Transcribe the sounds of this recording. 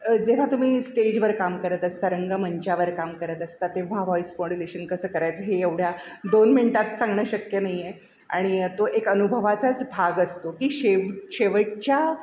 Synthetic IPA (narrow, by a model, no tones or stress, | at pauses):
d͡zeʋ̤at̪um̤iːsʈed͡ʑʋəɾkamkəɾət̪əst̪aɾəŋɡəməɲt͡ɕaʋəɾkamkəɾət̪əst̪at̪ːeʋ̤aʋɔispoɽuleɕənkəsəːkəɾajt͡sɦeeʋɽjad̪onminʈat̪sãŋɡɳəːɕəkjənaɦje | a̰ɽ̃it̪oʔekənubʱəʋat͡sat͡sbʱaɡəst̪okiːɕeʋɕeʋəʈ̚t͡ɕja